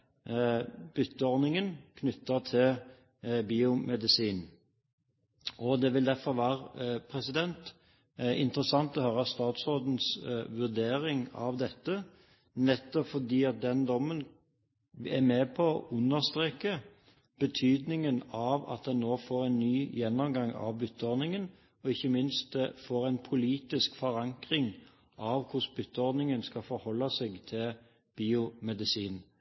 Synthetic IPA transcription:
b̥ʏt̪ːəɔɾnɪŋənkʰnʏt̪ːət̪ʰɪl | biːʊmɛd̪ɪsiːn | ʔɔd̪ɛʋɪld̪æɾfɔɾʋæːʁəpʰɾɛsɪd̪ɛnt̪ | ɪ̰nt̪əɾəsɑŋt̪ɔhøːɾəst̪ɑːt̪sʁoːd̪n̩sʋʉʁd̪eːɾɪŋɑ̰ʋd̪ɛt̪ːə | nɛt̪ːɔpfɔd̪iːɑt̪̚d̪ɛnd̪ɔmːən | ɛmeːpʰɔːʔʉnːəst̪ɾeːkə | b̥ət̪ʰyːd̪nɪŋənɑʋɑ̰t̪̚d̪ɛnːoːfoːɾæɪnnːyːjɛnːɔmɡɑŋɑ̰ʋbʏt̪ːəɔd̪nɪŋən | ɔɪçːəmɪnst̪̚d̪ɛfoːɾæɪnpʰʊliːt̪ɪskfɔɾɑŋkʁɪŋ | ʔɑʋkʊsbʏt̪ːəɔɾd̪nɪŋənskɑfɔɾhɔlːɑsɛɡt̪ʰɪl | b̥iːʊmɛd̪ɪsiːn

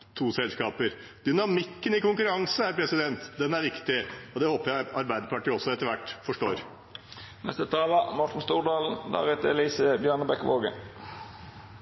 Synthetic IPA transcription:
t̪ʰuːsɛlskɑːpəɾ | d̪̥ʏnɑmɪkːənɪkʊŋkʉɾɑŋsəæɾpʰɾɛsɪd̪ɛnt̪d̪ɛnæɾʋɪkt̪ɪɔd̪ɛhoːpəjæɪɑɾbæɪd̪əpʰɑʈiːɔsːɔɛt̪ːəɾʋæʈːfɔʂʈoːɾ | nɛ̰st̪ət̪ʰɑːlɑmɔʈn̩st̪uːɖɑːlənd̪ɑ̰ɾɪt̪ɛliːsəbjœɳəbɛkʋoːɡə̰

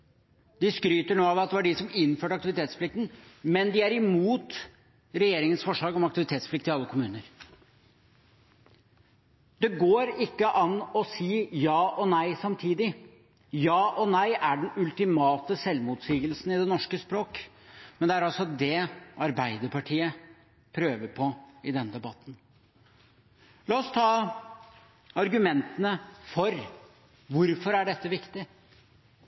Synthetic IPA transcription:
d̪ɪskɾyːt̪əɳoːɑʋɑt̪̚d̪ɛʋæɖɪsɔmɪnːføːʈɑkt̪ɪʋɪt̪ʰeːt̪spʰlɪk̚t̪n̩mɛnd̪ɪæɾɪmuːt̪ | ɾɛjeːɾɪŋənsfɔʂɭɑːɡɔmɑk̚t̪ɪʋɪt̪ʰeːt̪spʰflɪk̚t̪ɪɑlːəkʰʊmʉːnəɾ | d̪ɛɡoːɾɪkːəʔɑnːɔsiːjɑːʔɔnæɪsɑmt̪ʰiːd̪ɪ | jɑːʔɔnæɪʔæɖɛnʉlt̪ɪmɑːt̪əsɛlmʊt̪siːɡəlsn̩ɪd̪ɛnɔʂkəspɾoːk | mɛnd̪ɛæɾɑlsɔd̪ɛɑɾbæɪd̪əɾpʰɑʈʰiːə | pʰɾøːʋəɾpʰɔɪd̪ɛnəd̪ɛbɑt̪ːn̩ | lɑːɔst̪ʰɑː | ɑɾɡʉmɛnt̪ənəfɔɾ | ʋʊɾfɔɾæɖɛt̪ːəʋɪkt̪ɪ

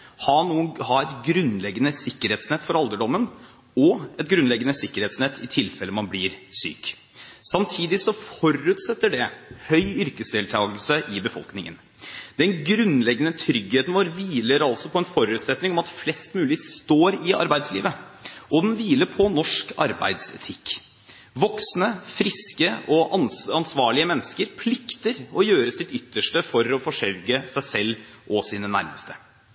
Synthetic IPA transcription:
hɑɳuːənhɑɾɛt̪ɡɾʉnlɛɡːənəsɪkːəɾeːt̪snɛt̪ːfɔɾɑld̪əɖɔmːən | ɔɛt̪̚ɡɾʉnlɛɡːənəsɪkːəɾheːt̪snɛt̪ʰːɪt̪ʰɪlfɛlːəmɑnblɪɾsy̰ːk | sɑmt̪ʰiːd̪ɪsɔfɔɾʉːt̪sɛt̪ːəɖɛhœʏʏɾkəsd̪ɪːlt̪ʰɑːɡəlsəʔɪbəfɔ̰lknɪŋə̰n | d̪̥ɛnɡɾʉnlɛɡːənət̪ʰɾʏɡheːt̪n̩ʋoːɾʋiːləɾɑlsɔpʰɔɛnfɔɾʉːt̪sɛt̪nɪŋɔmɑt̪flɛst̪mʉːlɪst̪oːɾɪɑ̰ɾbæɪd̪slḭːʋəʔɔd̪ɛnʋiːləɾpʰɔnɔʂkɑ̰ɾbæ̰ɪd̪sɛ̰t̪ʰɪkː | ʋɔksnəfɾɪskəɔɑnɑnsʋɑːɭɪəmɛnːəskəɾpʰlɪkt̪əɾɔjøːɾəsɪt̪ʏt̪ːəʂʈəfɔɾɔfɔʂœɾɡəsæɪsɛlː | ʔɔsiːnənæ̰ɾməst̪ə

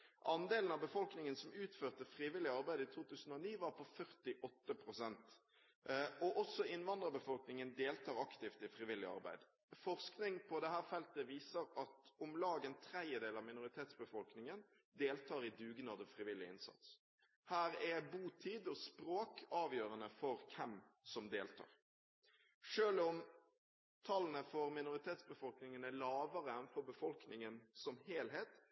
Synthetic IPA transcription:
ʔɑnd̪eːlnɑbəfɔlknɪŋənsɔmʉːt̪føːʁt̪əfʁiːʋɪlːɪɑʁbæɪd̪ɪt̪ʰuːt̪ʉːsən̩ɔniːʋɑʁpʰɔfœʁt̪ɪʔɔt̪ːəpʰɾʊsɛnt̪ | ʔɔʔɔsɔɪnʋɑnd̪ʁəbəfɔlknɪŋənd̪eːlt̪ʰɑːʁɑkt̪ɪft̪ɪfɾɪʋɪlːɪ̰ɑ̰ʁbæ̰ɪd̪ | fɔʁsknɪŋpʰɔd̪ɛhæːʁfɛlt̪əʋiːsəɾɑt̪ʊmlɑːɡənt̪ʰɾɛd̪jəd̪eːlɑʋmɪnʊʁɪt̪ʰeːt̪sbəfɔlknɪŋən | d̪eːlt̪ʰɑːɾɪd̪ʉːɡnɑd̪əfɾɪʋɪlɪɪ̰nsɑ̰t̪s | hæːɾɛbuːt̪ʰiːd̪ɔspɾoːkɑːʋjøːʁənəfɔɾkʰɛmsɔmd̪eːlt̪ʰɑ̰ːʁ | ʂøːlɔm | t̪ʰɑlːənəfɔɾmɪnʊɾɪt̪ʰeːt̪sbəfɔlknɪŋənælɑːʋəʁəɛnfɔɾbəfɔlknɪŋənsɔmheːlɦeːt̪

